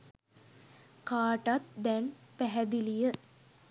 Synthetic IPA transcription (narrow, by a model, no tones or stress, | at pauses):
kaːʈat̪̚d̪ɛnpæɦæd̪ilijə